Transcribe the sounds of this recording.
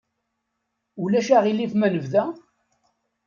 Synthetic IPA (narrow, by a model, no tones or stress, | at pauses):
ulæʃaʁilːifmænəvðæ